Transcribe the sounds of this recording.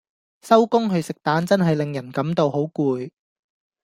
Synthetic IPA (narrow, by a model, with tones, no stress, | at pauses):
sɐ˥wkʊ˥ŋɦɵ˨˧ɥsɪ˨k̚t̪aː˨˥nt͡sɐ˥nɦɐ˨jlɪ˨ŋjɐ˨˩nkɐ˨˥mt̪o˧wɦo˨˥wkuː˧j